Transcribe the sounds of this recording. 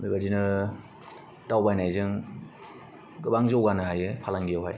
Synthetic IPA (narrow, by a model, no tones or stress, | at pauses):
bibadinɯ | tawbajnajzɯŋ | ɡɯbaŋzowɡanɯɦajɯpʰalaŋɡijawɦaj